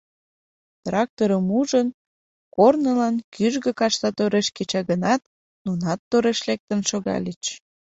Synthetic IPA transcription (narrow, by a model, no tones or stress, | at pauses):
t̪rɑk̚t̪oɾəmuʒən | kornəlɑnkyʒɣə̆kɑʃt̪ɑt̪oɾeʃket͡ɕɑɣənɑt̪ | nunɑt̪ːoɾeʃlek̚t̪ənʃoɣɑ̰lʲet͡ɕ